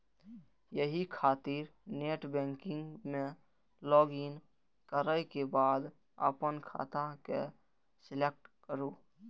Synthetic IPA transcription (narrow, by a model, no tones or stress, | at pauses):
jəɦikʰaːt̪iːɾneːʈbɛ̃ːŋkɪ̃ŋɡmẽ | lɔːɡin | kəɾəjkebaːd̪ | ə̰pənkʰa̰ːt̪akḛ | sɪlek̚ʈkəɾuː